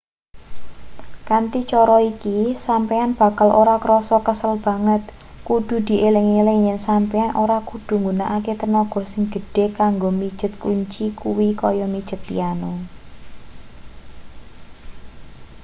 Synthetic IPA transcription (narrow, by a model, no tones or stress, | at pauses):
kant̪it͡ʃɔɾɔikisampeanb̥a̤kalʔoɾakɾɔsɔkəsəlb̥ä̤ŋət̪̚ | kuɖ̪̥ṳd̪̥i̤ʔelɪŋileŋɲɛnsampɛanʔoɾakud̪̥ṳŋɡunaʔaket̪ənɔɡ̥ɔ̤sɪŋɡ̥ə̤ɖ̥e̤kaŋɡomi̥ʒ̥ə̤t̪̚kuɲt͡ʃikuwikɔjɔmid̥ʒ̥ə̤t̪ːḭanɔ